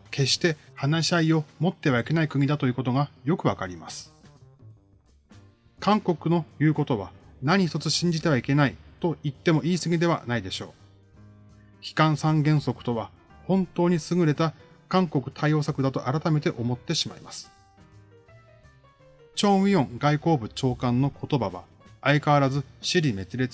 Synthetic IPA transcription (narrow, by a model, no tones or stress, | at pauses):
ke̞ɕt̪e̞hanaɕiaio̞mo̞t̪ːe̞β̞aike̞naikɯ̟ɲ̟id̪at̪o̞ji̟ːkot̪o̞ɡajo̞kɯ̟βakaɾʲima̰sɨ̥ | kãŋko̞kɯ̟no̞jɯ̟ːko̞t̪o̞βa̰naɲ̟içt̪o̞t͡sɨɕĩɲ̟d͡ʑit̪e̞βaike̞nait̪o̞it̪ːe̞mo̞ʔiːsɨɡʲid̪e̞βa̰naid̪e̞ɕo̞̰ː | çi̥kãɰ̃sãŋɡẽ̞ɰ̃so̞kɯ̟̥t̪o̞βa | hõ̞nt̪o̞ːɲ̟isɨɡɯ̟ɾe̞t̪a | kãŋko̞kɯ̟̥t̪ʰaio̞ːsakɯ̟d̪at̪o̞ʔaɾat̪ame̞t̪e̞ʔo̞mo̞t̪ːe̞ɕima̰imasɨ̥ | t͡ɕõ̞ɰ̃ʲiõ̞ŋɡaiko̞ːbɯ̟t͡ɕo̞ːkãnːo̞kʰo̞t̪o̞baβa̰ː | ikaβaɾazɨɕiɾʲime̞t͡sɨɾe̞t͡s